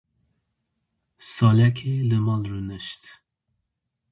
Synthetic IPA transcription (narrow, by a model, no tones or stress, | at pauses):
sɑlɛkʰelɨmɑlrunəʃt̪